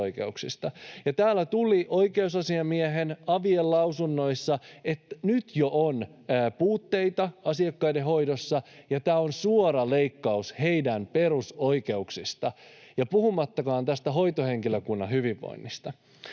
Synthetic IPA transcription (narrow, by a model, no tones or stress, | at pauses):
oikḛuksist̪ɑjɑt̪æːlːæt̪uliʔo̞ike̞usɑsiɑmieɦenɑʋiellɑwsunːo̞isːɑet̪nyt̪joʔonː | puːt̪ːe̞it̪ɑɑsiɑkːɑideɦo̞jdosːɑjɑt̪æːonsuoɾɑleikːɑusheidænpe̞ruso̞ike̞uksist̪ɑjɑpuhumɑt̪ːɑkɑːnt̪æst̪æɦoit̪ohe̞ŋkiløkunːɑɦyʋiʋːo̰inːist̪ɑ